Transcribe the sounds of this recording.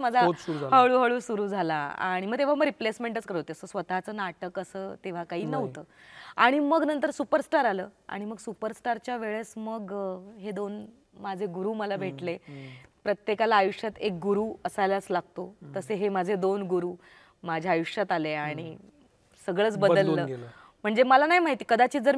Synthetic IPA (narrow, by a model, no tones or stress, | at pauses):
mad͡zʱaosuɾuaɦəɭuːɦəɭuːsuɾuːd͡zʱalaa̰ɽ̃iməɡ̚t̪eʋ̤aməɡɾiplesmeɳʈət͡skəɾt̪eəsəsʋət̪at͡səːnaʈəkəsəːt̪eʋ̤akaɦiːnəʋt̪əː | aɽ̃iməɡnənt̪əɾsupəɾsʈaɾaləːa̰ɽ̃iməɡsupəɾsʈaɾt͡ɕjaʋeɭesməɡɦed̪on | mad͡zʱeɡuɾuːməlabʱeʈlepɾət̪jekalaːjuʂjat̪ek̚ɡuɾuːəsajlat͡slaɡ̚t̪ot̪əseɦemad͡zʱed̪onɡuɾuː | mad͡ʑʱjaajuʂjat̪aleaɽ̃i | səɡɭəːt͡sbəd̪əlːəː | m̤əɳd͡zeməlanaɦimaɦit̪iːkəd̪at͡ɕiːd͡zəɾ